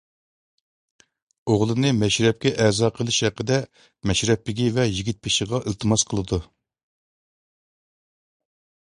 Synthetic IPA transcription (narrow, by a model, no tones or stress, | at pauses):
oʁlˠɨnɨmɛʃɾɛp̚kʲɛʔɛzɑːqʰəlˠɨʃhɛqːəd̪ɛ | mɛʃɾɛpːɪɡʲivɛjiɡʲit̪̚pʰɪʃɪʁɑʔɨlˠt̪ʰɨmɑsqʰəlˠɨd̪u